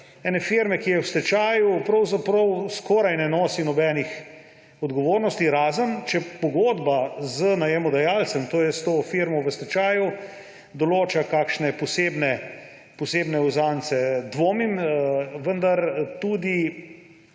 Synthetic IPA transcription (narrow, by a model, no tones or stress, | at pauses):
ɛːnɛfiɾmɛkijɛwst̪ɛt͡ʃaːjupɾɐwzapɾɔwskoːɾajnɛnoːsinɔbɛːnix | ɔd̪ɡoʋoːɾnɔst̪iɾaːzənt͡ʃɛpoɡoːd̪bazənajɛmɔd̪ajaːlt̪sɛmt̪oːjɛst̪oːfiɾmɔʋəst̪ɛt͡ʃaːju | d̪ɔloːt͡ʃakaːkʃnɛpɔseːbnɛ | pɔseːbnɛuzaːnt̪sɛd̪ʋoːmimʋənd̪aɾt̪uːd̪i